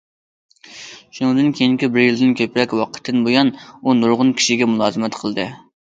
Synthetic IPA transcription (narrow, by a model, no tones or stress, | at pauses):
ʃunɨŋd̪ɨnkʲʰejiŋkʲibɪɾjild̪ɪnkʲʰøpɾɛkʲwɑqʰə̥t̪ʰːɨnbojɑnunuɾʁʊnkʲʰi̥ʃiɡʲɛmulˠɑːzɨmɛt̪qʰəlˠɨd̪ɨ